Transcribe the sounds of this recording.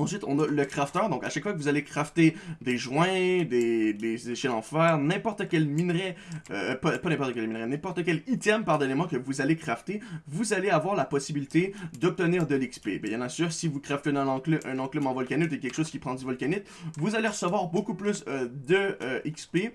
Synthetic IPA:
ɑ̃sɥɪt̪ɔ̰̃nɔləkχaft̪œʁd̪ɔ̃kaʃakfwakəvuzalekχaft̪ed̪eʒwɛ̃d̪ed̪ezeʃɛlɑ̃fɛːʁnɛ̃pɔʁt̪əkʲɛlminʁɛøpapanɛ̃pɔʁt̪əkʲɛlminʁɛnɛ̃pɔʁt̪əkʲɛlit̪ɛmpaʁd̪enemɑ̃kəvuzalekχaft̪evuzaleavwaʁlapɔsibilit̪ed̪ɔp̚t̪əniːʁd̪əlikspebɛjɑ̃nasyːʁsivukχaft̪eɛ̃nɑ̃klʔɛ̃nɑ̃klœbɑ̃vɔlkʲanɪt̪ekʲɛlkə̥ʃoːz̥kʲipχɑ̃d̪yvɔlkanɪt̪vuzaleʁəsəvwaʁbokuplysd̪əikspe

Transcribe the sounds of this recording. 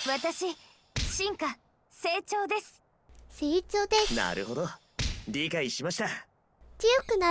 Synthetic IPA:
βat̪aɕi | ɕĩŋka | se̞ːt͡ɕo̞ːd̪e̞sɨ̥ | seit͡sod̪ena̰ɾɯ̟ɦo̞d̪o | ɾʲikaiɕimaɕi̥t̪a | t͡sɨjo̞kɯ̟na

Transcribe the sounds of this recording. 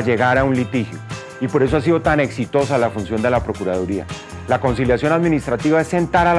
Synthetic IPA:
d͡ʒe̞ɣaɾaunlit̪ixjo̞ | ipo̞ɾe̞s̬oas̬iðo̞t̪ane̞ksit̪o̞salafunsjo̞nd̪e̞lapɾo̞kuɾaðuɾia̰ | lako̞ns̬iljasjo̞naðmĩnist̪ɾat̪iβae̞sːe̞nt̪aɾal

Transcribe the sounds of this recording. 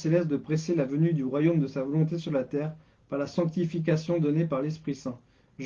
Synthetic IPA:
selɛsd̪əpχeselavənyd̪yʁwajomd̪əsavɔlɔ̃t̪̬esyʁlat̪ɛːʁ | paʁlasɑ̃k̚t̪ifik̬asjɔ̃d̪ɔnepaʁlɛspχisɛ̃ | ʒ

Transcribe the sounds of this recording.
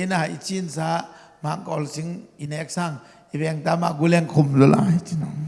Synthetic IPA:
enaɦajit͡ʃinsa | maŋkɔlsiŋinek̚saŋ | ibeŋtamaɡuleŋkʰumzɔlʔa̰ajt͡ʃinɔ

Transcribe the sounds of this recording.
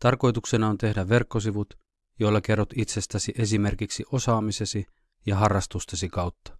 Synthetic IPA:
t̪ɑrko̞jt̪uksenɑo̞nt̪e̞hdæʋʋe̞rkːo̞s̬iʋut̪ | jo̞ilːɑke̞rːot̪it̪se̞st̪æsiʔe̞s̬ime̞rkiksiʔo̞sɑːmise̞si | jɑɦɑrːɑst̪ust̪ɑsikɑwt̪ːɑ̥

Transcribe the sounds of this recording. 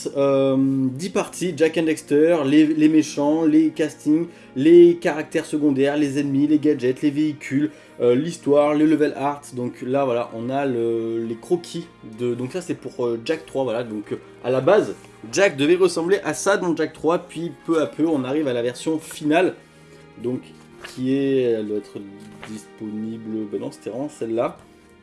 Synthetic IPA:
ømd̪ipaʁt̪ʰiʒakɛ̃d̪ɛkst̪œʁlelemeʃɑ̃lekast̪iŋ | lekaʁak̚t̪ɛʁsəɡɔ̃d̪ɛʁlezɛd̪mileɡad͡ʒɛt̪leveikʲʰyl | øːist̪waʁlenəvɛlʔaʁt̪d̪ɔ̃klavwalaʔɔ̃naləlekχɔkʲʰi | d̪əd̪ɔ̃ksasɛpuʁøʒak̚t̪χwavwalad̪ɔ̃k | a̰labaz | ʒak̚d̪əvɛʁəsɑ̃bleʔasad̪ɑ̃ʒak̚t̪χwapɥipøapʰøɔ̃naʁivalavɛʁsjɔ̃final | d̪ɔ̃kʰʲː | iɛɛld̪waɛt̪χd̪ispɔnibləbɛnɑ̃se̥t̪eʁɑ̃sɛlːa

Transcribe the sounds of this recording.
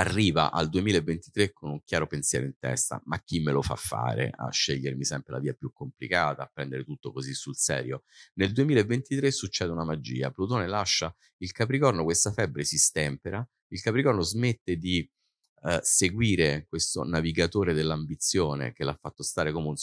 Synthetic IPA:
arːiːva̰ʔa̰ld̪uemiːlaevːent̪it̪ɾekʰːonuŋk̟jaːɾopensjɛ̰ɾoint̪ɛ̰st̪a̰mak̟ːimːelofa̰fːa̰ːɾḛa̰ʃːeʎːeɾmisɛmpɾela̰viːapjukːomplḭkaːt̪aːpːɾɛnd̪eɾet̪ut̪ːokozisːulsɛ̰ːɾjoneld̪uemilaevːent̪it̪ɾesːut͡ʃːɛːd̪eunamad͡ʒḭːa̰plut̪oːnelaʃːa | ilkapɾikɔrnokwest̪afɛbːɾesist̪ɛmpeɾa | ilkapɾikɔrnozmet̪ːed̪i | seɡwiːɾekwest̪o̰naviɡat̪oːɾed̪elːambit̪sːjoːnḛk̟elafːat̪ːost̪aːɾekomeun

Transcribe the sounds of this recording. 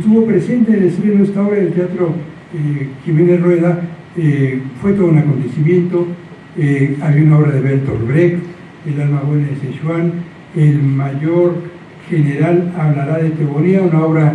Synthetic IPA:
est̪uβo̞pɾe̞se̞nt̪eːnest̪ɾenoest̪ao̞βɾaðelt̪eat̪ɾo | ximenerwe̞ða | efwe̞t̪oðunako̞nt̪e̞simjẽ̞nt̪o̞ | eaβɾiaunao̞βɾaðeβeɾt̪oɾβɾek | elalmaβwenaðeseʃwan | elmaʝoɾ | xe̞ne̞ɾalaβlaɾaðe̞t̪eβoniaunaoβɾa

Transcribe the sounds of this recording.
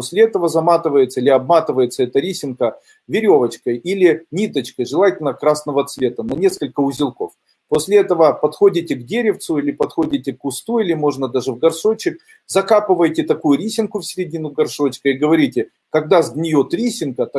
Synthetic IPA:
osʲlʲɪɛt̪əvəzɐmat̪ɨvəjɪt̪səlʲɪɐbmat̪ɨvəjɪt̪səɛt̪əɾʲisʲɪnkə | vʲɪɾʲovət͡ɕkəjilʲɪnʲit̪ət͡ɕkəjʐɨlˠatʲɪlʲnəəkɾasnəvət̪svʲe̞t̪ənɐnʲe̞skəlʲkəʊzʲɪlˠko̰f | posʲlʲɪɛt̪əvəpɐt̪xodʲɪtʲɪɡdʲeɾʲɪft̪sʊilʲɪpɐt̪xodʲɪtʲɪkːʊst̪uilʲɪmo̞ʐnəd̪aʐɨvɡɐrʂo̞t͡ɕɪk̚ | zɐkapɨvəjtʲɪt̪ɐkujʊɾʲisʲɪnkʊfsʲɪɾʲɪdʲinʊɡɐrʂo̞t͡ɕkəɪɡəvɐɾʲitʲɪ | kɐɡ̚d̪azʲd̪ʲnʲɪjot̪ɾʲisʲɪnkət̪

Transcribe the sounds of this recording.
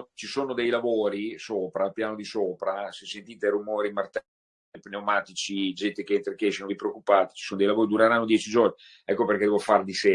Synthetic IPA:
t͡ʃisoːnod̪ejlavoːɾisoːpɾapjaːnod̪isoːpɾasesent̪iːt̪erumoːɾimart̪ɛ | epnewmaːt̪it͡ʃid͡ʒɛnt̪ekeent̪ɾekeɛʃianod̪ipɾeokːupaːt̪i̥t͡ʃisoːnod̪ejlavoːɾid̪uɾeɾanːod̪jɛːt͡ʃid͡ʒorni | ɛkːoperked̪ɛvofard̪ise

